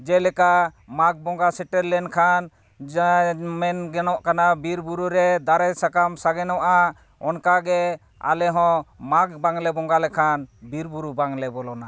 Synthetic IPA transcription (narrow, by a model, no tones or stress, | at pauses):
d͡ʒɛlɛkamak̚bɔŋɡasɛʈɛɾlɛnkʰan | mɛnɡɛnɔʔkanabiɾbuɾuɾɛd̪aɾɛsakamsaɡɛnɔʔa | ɔnkaɡɛ | a̰lɛɦɔ̃mak̚baŋlɛbɔŋɡalɛkʰanbiɾbuɾubaŋlɛbɔlɔna